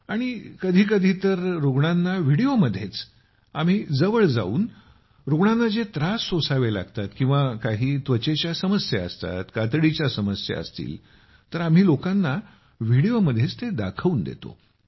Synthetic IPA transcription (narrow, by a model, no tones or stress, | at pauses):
aɽ̃ikəd̪ʱiːkəd̪ʱiːt̪əɾɾoɡɳanːaʋiɽioməd̪ʱːjet͡s | am̤iːd͡zəʋəɭd͡za̰ṵːn | ɾoɡɳanːad͡zet̪ɾasːosaʋela̰ɡt̪at̪kĩw̃ʋakaɦiːt̪ʋət͡ɕet͡ɕjasəməsjaə̰st̪a̰t̪kat̪ɽit͡ɕjasəməsja̰ə̰st̪ḭːl | t̪əɾam̤iːlokanːa | ʋiɽijoməd̪ʱːjet͡st̪ed̪a̰kʰəuːnd̪ḛt̪o̰